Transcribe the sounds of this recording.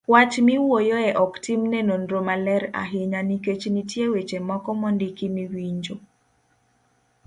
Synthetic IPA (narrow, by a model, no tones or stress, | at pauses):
wat͡ʃmiwojoɛʔɔktimnenondɾomalɛɾa̰ɦɪɲaniket͡ʃnitjewet͡ʃemɔkɔmɔndikimiwiɲd͡ʒo